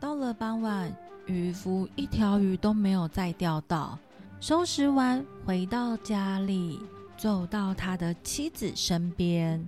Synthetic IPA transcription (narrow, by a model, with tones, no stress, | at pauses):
t̪ɑ˥˩ʊlə˨pɑ˥ŋwa˥˨˩ny˧˨˥fu˧˥i˥˩t̪ʰjɑ˧˥ʊy˧˥t̪o˥ʊme˧˥ɪjo˨˩ʊt͡sa˥˧ɪt̪jɑ˥˧ʊt̪ɑ˥˩ʊ | ʂo˥ʊʂɻ̩˧˥wa˥nxwe˧˥ɪt̪ɑ˥˩ʊt͡ɕja˥li˨˩t͡so˨˩ʊt̪ɑ˥˩ʊt̪ʰa˥d̪ə˨t͡ɕʰi˥d͡zɹ̩˨˩ʂə˥npjɛ˥n